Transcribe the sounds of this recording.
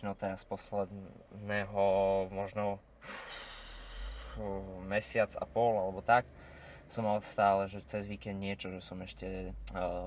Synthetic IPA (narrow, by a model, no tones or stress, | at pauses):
nɔt̪ɛɾaspɔslɛd̪nɛːɦɔmɔʒnɔ | mɛsɪat͡sa̰pɔlalɛbɔt̪ak | sɔmalɛst̪aːlɛʒɛt͡sɛzʋiːkɛnd̪nɪɛt͡ʃɔʒɛsɔmɛʃcɛ